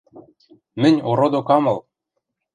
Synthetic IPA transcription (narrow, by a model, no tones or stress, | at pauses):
mɘ̆nʲoɾod̪okɑmɤ̆lˠ